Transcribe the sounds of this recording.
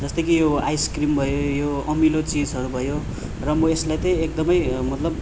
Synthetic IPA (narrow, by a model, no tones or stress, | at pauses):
d͡zʌst̪ʌjkijoajskrimbʱʌjojoʌmilot͡sid͡zʌɾubʱʌjo | rʌmʌeslajt̪ʌj̃ek̚d̪ʌmʌjmʌt̪lʌb